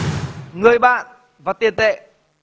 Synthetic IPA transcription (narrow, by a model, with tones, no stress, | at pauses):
ŋɨ˨˩əjɓa̰ː˧˨n | vaː˨˩t̪i˨˩ənt̪ḛ˧˨